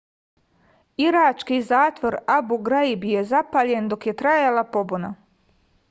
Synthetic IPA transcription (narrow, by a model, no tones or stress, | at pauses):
iɾat͡ʃkizaːt̪ʋo̞ɾabuɡɾaibijezapaʎe̞nd̪o̞kje̞t̪ɾajalˠapo̞buna̰